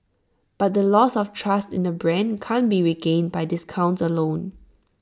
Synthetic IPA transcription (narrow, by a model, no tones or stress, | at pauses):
b̥at̚dəlɔsɔftʰɹastɪ̰̃ndəbɹɛ̃nkʰãnbiɹiɡẽnbajdɪskʰãʊ̃ntsəlõn